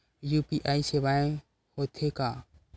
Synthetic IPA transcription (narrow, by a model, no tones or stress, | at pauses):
juːpiːʔaːiseːʋaːẽ | hoːt̪ʰeːkaː